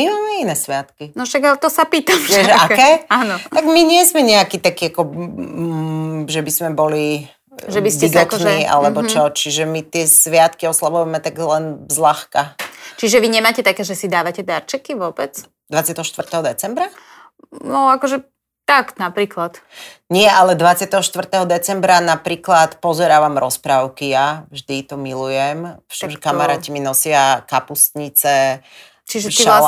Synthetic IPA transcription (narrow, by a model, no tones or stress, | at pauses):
mimaːmɛinɛsʋɪat̪kinɔʃaɡalɛt̪ɔsapiːt̪amɛʃakɛːaːnɔt̪aɡmiɲɪɛzmɛɲɛakit̪akiakɔ | ʒɛbizmɛbɔli | ʒɛbisciɡɔkt̪ɔʒnɛiːʔa̰lɛbɔt͡ʃɔt͡ʃiʒɛmit̪ɪɛsʋɪat̪kiɔslaʋuɛmɛt̪aɡlɛnzlaxkat͡ʃiʒɛʋiɲɛmaːcɛt̪akɛːʒɛsid̪aːʋacɛd̪aɾt͡ʃɛkiʋʊɔbɛt͡s | d̪ʋat͡sɪat̪ɛɦɔʃt̪ʋr̩t̪ɛɦɔd̪ɛt͡sɛmbɾa | nɔakɔʒɛ | t̪aknapɾiːklat̪ɲɪɛʔalɛd̪ʋat͡sɪat̪ɛɦɔʃt̪ʋr̩t̪ɛɦɔd̪ɛt͡sɛmbɾanapɾiːklat̪pɔzɛɾaːʋamɾɔspɾaʊkijavʒd̪it̪ɔmilujɛmʃmʒɛkamaɾaːciminɔsɪakapust̪ɲit͡sɛ | t͡ʃiʒɛ